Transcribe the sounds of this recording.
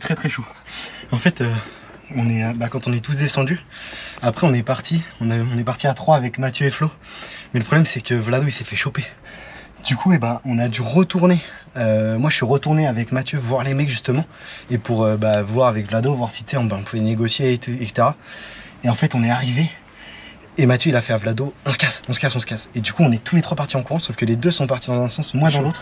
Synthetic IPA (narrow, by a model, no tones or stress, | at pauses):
st̪χɛt̪χɛʃoɑ̃fɛt̪ø | ɔ̃nɛbakɑ̃t̪ɔ̃nɛt̪us̬d̪esɑ̃d̪yapχɛɔ̃nɛpaʁt̪ʰiɔ̃nɛɔ̃nɛpaʁt̪iat̪χwaːvɛkmat̪jøeflo | mɛləpχɔblɛmsɛkəvlad̪oisefɛʃope | d̪̥ykʰuebaɔ̃nad̪yʁət̪uʁneømwaʒəsɥiʁət̪uʁneavɛkmat̪jøvwaʁlemɛkʒyst̪əmɑ̃ | epuʁøbavwaʁavɛkvlad̪ovwaʁsi̥t̪sɛɔ̃bãɔ̃puvɛneɡɔsjet̪uɛse̥t̪eʁa | eɑ̃fɛt̪ɔ̃nɛaʁive | mat̪jøilafɛavlad̪oɔ̃sə̥kasɔ̃sə̥kasɔ̃sə̥kased̪ykuɔ̃nɛt̪ulet̪χwapaʁt̪iɑ̃kuʁɑ̃sofkəled̪øsɔ̃paʁt̪id̪ɑ̃zɛ̃sɑ̃smwãd̪ɑ̃lot̪χ